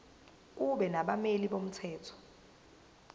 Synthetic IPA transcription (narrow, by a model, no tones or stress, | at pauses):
k̬uɓɛnaɓameliɓom̩tʰɛːtʰɔ̥